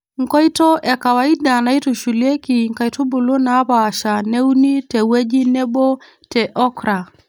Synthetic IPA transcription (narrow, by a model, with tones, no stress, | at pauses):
ŋ̩˨kɔ˦i˦tɔ˦ʔa˨ka˨wa˨i˦ɗa˨na˨i˦tu˨ʃu˨liɛ˦ki˨ŋ̩ka˨itu˦bu˨lu˦na˨˦βaː˨ʃa˨nɛ˦u˦ni˦tɛ˨wɛ˦d͡ʒi˦nɛ˦ɓɔ˦ | tɛʔɔ˦kɾa˨